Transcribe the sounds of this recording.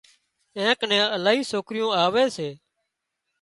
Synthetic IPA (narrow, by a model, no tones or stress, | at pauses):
ẽːknɛ̃ːəlaːɦiːsoːkɾɪjõːaːʋeːseː